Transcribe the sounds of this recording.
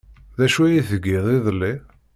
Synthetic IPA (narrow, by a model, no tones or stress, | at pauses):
ðæʃuæjiθəɡiðˤiðˤlːi